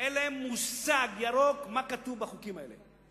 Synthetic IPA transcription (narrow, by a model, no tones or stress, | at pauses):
elemusaɡjaɾokmakatuvbaχukimaḛle